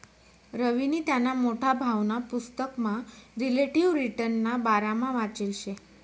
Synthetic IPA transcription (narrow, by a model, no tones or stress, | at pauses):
ɾəʋiniːt̪janːamoʈʰabʱaʋnapust̪əkmaɾileʈiʋɾiʈəɾnːabaɾamãʋat͡ɕilɕe